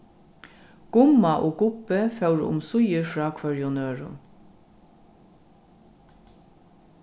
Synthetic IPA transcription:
ɡ̥ʊmaʔoːɡʊpəfɛwɹʊ̰msʊjəɹfɹɑːkʰʋœɹjʊnøːɹʊ̰n

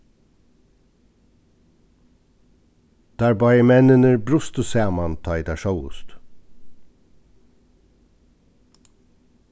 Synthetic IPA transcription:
d̪̥æːɹbɑjəmɛnənəɾbɾʊst̪ʊseːmɑnt̪ʰɑɪd̪æːʃœʊʊ̰st̪

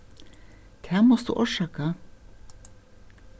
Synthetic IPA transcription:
d̪̥ʰæːmɔsd̪ṵːʔuːʃɑːkə

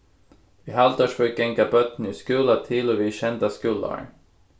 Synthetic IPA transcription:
vɪɦalt̪aʂfœkɛŋkabœt̪n̩ɪskʉːlat̪ʰɪlɔvɪɕɛnd̪askʉlːa̰ɾ

